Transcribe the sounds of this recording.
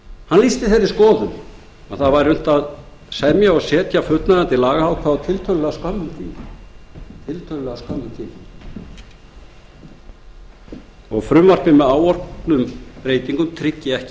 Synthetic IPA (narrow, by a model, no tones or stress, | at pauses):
hanliːst̪ɪθejɾːɪskɔːðʏm | ɔθaðvajɾʏm̥t̪að | sɛðmjaɔɣsɛːt̪jafʏt̪naðɛnt̪ɪlaːɣaawkʰvat̪ʰɪlt̪ʰœlʏlɛɣaskamːʏmt̪ʰiːm | t̪ʰɪlt̪ʰœlʏlɛɣaskamːʏmt̪ʰiːn | ɔɣfɾʏmvar̥pɪmɛðaːwɔr̥klʏmpɾeːjt̪iŋkʏmt̪ʰɾɪcːɪɛhcɪ̥